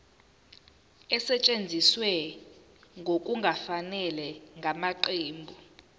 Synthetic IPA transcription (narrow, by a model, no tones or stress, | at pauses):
ɛsɛt͡ʃʼend͡zʱiswɛ | ŋɡʱok̬ʼuŋɡʱafanɛlɛŋɡʱamaǃeːmbʱu